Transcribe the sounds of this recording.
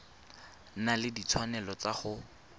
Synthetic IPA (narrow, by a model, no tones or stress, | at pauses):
nalɪdit͡sʰwanɛlɔt͡saχʊ